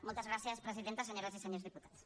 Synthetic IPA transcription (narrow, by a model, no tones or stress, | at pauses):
molt̪ɐzɣɾaθjɐspɾesiðent̪aseɲoɾasiseɲoɾzðiput̪at̪s